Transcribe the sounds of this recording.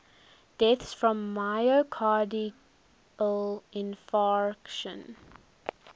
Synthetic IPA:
d̥ɛθsfɹɔ̃mːaɪokʰɑdi | əlɪ̃nfaɹkʃə̰̃n

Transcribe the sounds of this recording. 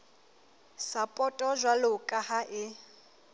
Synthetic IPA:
sapʼɔtʼɔʒʷwalʊkʼahaʔɪ

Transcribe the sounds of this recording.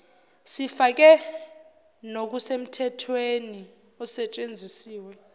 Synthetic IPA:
sifak̬ɛ | nok̬usem̩tʰɛtʰweni | ɔsɛt͡ʃʼend͡zʱisiːwɛ

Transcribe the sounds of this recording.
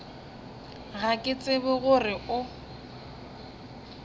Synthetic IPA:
ɣakʼɪt͡sʼɪbʊɣʊrɪʔʊ

